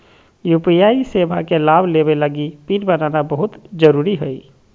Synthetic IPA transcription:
jupijaisebʱakelabʱlebeləɡipinbənanabəɦut̪d͡ʒəɾuɾiɦəj

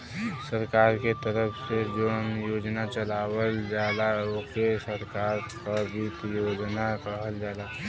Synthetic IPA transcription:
səɾkaːɾket̪əɾəpʰsed͡ʒoːnjoːd͡ʒnat͡ʃəlaːwəld͡ʒaːlaokesəɾkaːɾkabʱit̪joːd͡ʒnakəɦəld͡ʒaːlaː

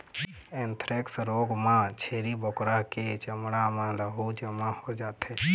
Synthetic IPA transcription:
ẽnt̪ʰɾeksɾoːɡmãt͡ʃʰeːɾibokɾaket͡ʃəmɽamãɾəɦud͡ʒəmahod͡ʒaːt̪ɦe

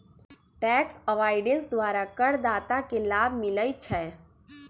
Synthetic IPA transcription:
ʈɛːksəʋaːɪɖẽnsd̪waːɾakəɽd̪aːt̪akelaːbʱmɪləjt͡ʃʰɛː

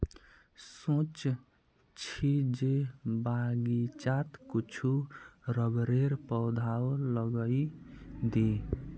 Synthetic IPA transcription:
sõt͡ʃ | t͡ʃʰid͡ʒebaɡit͡ʃat̪kut͡ʃʰuɾʌbɾeɾpʌwd̪ʱawlʌɡʌjd̪e

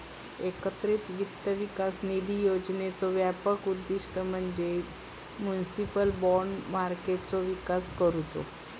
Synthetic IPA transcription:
ekət̪ɾit̪ʋit̪ːjəʋikasnid̪ʱijod͡ʑnet͡sɔʋjapəkud̪ːiʂʈəm̤əɳd͡ze | mjunisipəlbɔɳɖmaɾkeʈ̚t͡sɔʋikaskəɾut̪o̰

